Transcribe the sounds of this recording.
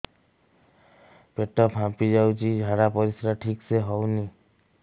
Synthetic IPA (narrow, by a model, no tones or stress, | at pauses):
peʈɔpɦãpid͡ʒawt͡ʃʰid͡ʒʱaɽapɔɾisɾaʈʰikseɦɔwni